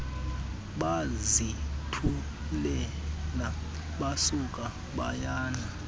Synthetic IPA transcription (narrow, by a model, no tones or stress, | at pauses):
ɓazitʰu | lɛla | ɓasuk̬ʼa | ɓajaːna